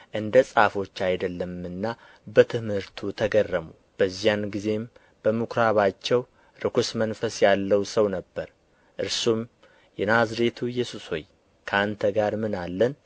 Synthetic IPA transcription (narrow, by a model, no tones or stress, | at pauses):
ʔɨnd̪əsʼafo̞t͡ʃːajd̪əlːəmɨnːa | bət̪ʰɨmhɨɾt̪ʰut̪ʰəɡərːəmu | b̥əzːijanɡize̞m | b̥əmukʰɾaβat͡ʃːɛw | ɾɨkʰʷusmənfəsjalːəwsəwnəbːəɾ | ʔɨɾsum | jɛnazɾe̞t̪ʰujɛsusho̰j | kʰəant̪ʰəɡaɾmɨnalːən